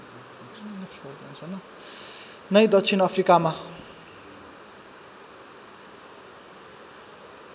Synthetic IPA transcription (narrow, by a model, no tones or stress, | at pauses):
od̪iunsʰʌnʌ | nʌjd̪ʌkt͡sʰinʌpʰrikama